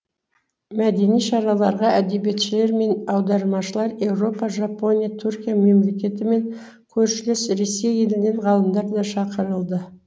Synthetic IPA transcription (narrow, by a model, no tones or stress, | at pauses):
mæd̪e̞nijʃɑɾɑlˠɑɾʁɑæd̪e̞be̞t̪ʃɪle̞ɾme̞nɑwd̪ɑɾmɑʃəlˠɑɾe̞wɾo̞pɑʒɑpo̞nʲijat̪ʰʉɾkʲijame̞mle̞kʲe̞t̪ɪme̞ŋ | kʲʰɵɾʃɪlɪsɾe̞sːe̞je̞lɪne̞ɴʁɑlˠəmd̪ɑɾd̪ɑʃɑqəɾəlˠd̪ə